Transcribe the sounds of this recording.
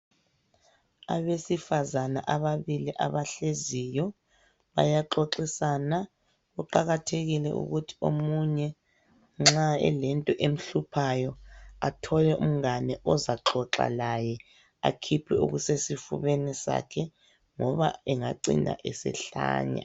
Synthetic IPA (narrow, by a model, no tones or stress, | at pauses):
aβesifazana̰ʔaβaβiliʔaβaɬezijɔ | βa̰jaǁoǁisana | ɣuǃaɣatʰeɣilɛ̰ʔṵɣutʰi̥o̰muɲɛ | ŋ͡ǁaɛ̰lɛntʼɔʔem̩ɬupʰajɔatʰɔlɛʔum̩ŋanɛʔɔzaǁɔǁa̰lajɛ | a̰kʰipʰɛṵɣusesifṵβɛnɛsa̰kʰɛ | ŋɔβaɛŋaǀḭndʱa̰ʔɛsɛ̰ɬa̰ːɲa̰